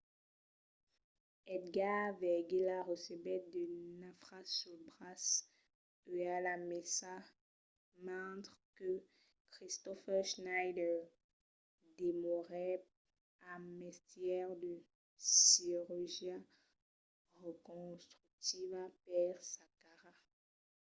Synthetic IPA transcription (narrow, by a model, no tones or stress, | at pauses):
ɛd̪ɡavɛɡelaʁəsebɛt̪̚d̪ənafχasyʁbʁas | øalamɛsa | mɛ̃t̪χkə | kχist̪ɔfɛʁʃnajd̪ɛ | d̪emɔʁɛ | amɛst̪jɛʁd̪ə | siʁyʁʒja | ʁəkɔ̃st̪χyk̚t̪ivapɛʁsakaʁa